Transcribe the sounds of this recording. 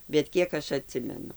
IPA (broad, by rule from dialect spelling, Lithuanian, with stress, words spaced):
bʲɛt ˈkʲiɛk ɐʃ ɐˈtʲsʲɪmʲɛnʊ